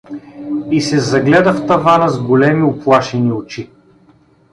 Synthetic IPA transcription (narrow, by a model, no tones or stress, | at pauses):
isɛzɐɡlɛd̪əft̪ɐvanəzɡolɛmiʊplˠaʃɛniʊt͡ʃi